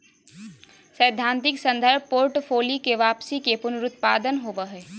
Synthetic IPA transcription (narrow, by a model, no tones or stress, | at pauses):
səjd̪ʱːãːnt̪ɪksə̃nd̪əɾb̚ʱpoːɾʈpʰoːlikeʋaːpsikepʊnʊɾʊt̪̚paːd̪ənɦoːʋəɦɛː